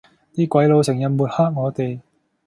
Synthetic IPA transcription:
t̪iː˥kʷɐ˨˥jlo˨˧wsɪ˨˩ŋjɐ˨nmuː˨˩t̚haː˥k̚ŋɔː˨˧t̪e˨j

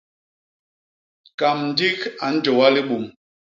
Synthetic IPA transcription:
ka˨mn̩˨di˦ka˨n̩˦d͡ʒɔ˨wa˦li˦ɓu˨m

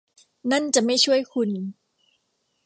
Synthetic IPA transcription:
na˥˩nt͡ɕa˨˩ma˥˩jt͡ɕʰu˥˩əjkʰu˧n

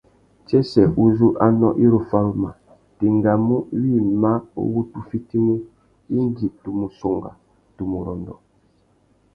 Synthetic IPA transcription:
t͡ʃe˦sɛ˨u˦zu˦ʔa˦nɔ˦ʔi˦ɾo˨fa˦ɾu˦ma̰˨ | te˨ŋɡa˨mu˦wi˦˨ma˦o̰˦wu˦tu˨fi˦ti˦ne˦ | i˦ŋ˦ɡi˨tu˨mu˨so˨ŋɡa̰˨ | tu˨mu˨ɾɔ˨ndɔ̰˨

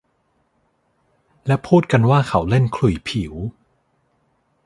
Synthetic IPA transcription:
lɛ˦˥wpʰuː˥˩t̪̚ka˧nwaː˥˩kʰa˧˦wle˥˩nkʰlu˨˩˦jpʰi˩˦w

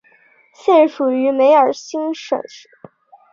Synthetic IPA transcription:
ɕjɛ˥˩nʂu˨˩y˧˥me˧˥ɪə˞˨˩ɕi˥ŋʂwə̰˨˩nʂ̩˧˦

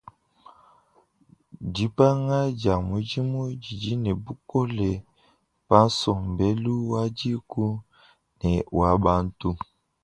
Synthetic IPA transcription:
d͡ʒi˨˦pa˦ŋa˦d͡ʒa˨mu˨˦d͡ʒi˦mu˦d͡ʒi˨d͡ʒi˦nɛ˨bu˦ko˦lɛ˨ | pa˦n˦sɔ˨mbe˦lu˦wa˦d͡ʒi˦ku˦ | nɛ˨wa˨ba˦n˦tu˦

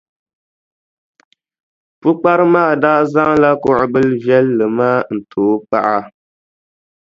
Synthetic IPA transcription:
pu˦k͡pa˦ɾɨ˦ma˦ɣdaː˦za˦ŋla˦kʊ˨ʔʊ˨bɨ˦lvjɛ˦lːɨ˨maː˦n̩˨tʰoː˨˦pa̰˦˨ʔa˦

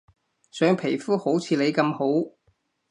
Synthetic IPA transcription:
sœː˨˥ŋpʰe˨˩jfuː˥ho˨˥wt͡sʰiː˨˧le˨˧jkɐ˧mho˨˥w

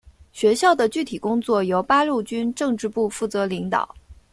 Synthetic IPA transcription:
ɕɥɛ˧˥ɕjɑ˥˩ʊd̪ə˩t͡ɕy˥˩t̪ʰi˨˩kʊ˥ŋt͡swɔ˥˩jo˧˥ʊpa˥ɻu˥˩t͡ɕy˥nʈ͡ʂɤ˥˧ŋʈ͡ʂɻ̩˥˧pu˥˧fu˥˩t͡sɤ˧˥li˧˥ŋt̪ɑ̰˨˩˦

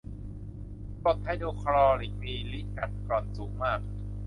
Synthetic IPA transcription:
po˨˩t̪̚ha˥˩jdoː˧kʰɾɔː˧li˨˩˦ŋ̚miː˧li˦˥ʔka˨˩t̪̚kɔː˨˩nsuː˩˦ŋmaː˥˩k̚

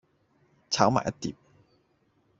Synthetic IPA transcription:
t͡sʰaː˨˥wma̰ː˨˩jɐ˥t̚t̪ḭː˨˩p̚

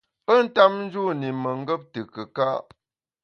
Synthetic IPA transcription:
pə˦n̩˦ta˦p̚n̩˦d͡ʒu˦ni˨mə˨ŋ̩˦ɡə˦p̚tə˨kə˨ka˦ʔ

